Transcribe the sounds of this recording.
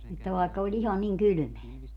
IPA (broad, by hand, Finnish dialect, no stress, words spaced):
etːæ ʋɑˑekːɑ olʲ ihɑ niŋ kyly̆meæ